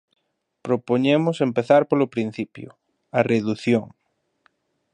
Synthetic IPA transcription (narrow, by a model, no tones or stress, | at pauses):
pɾopoɲemʊsempeθaɾpolopɾin̟θipjʊ̰ | ɐreðuθjoŋ